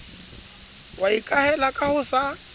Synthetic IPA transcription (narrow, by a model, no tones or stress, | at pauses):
waikʼahɛlakʼahʊsa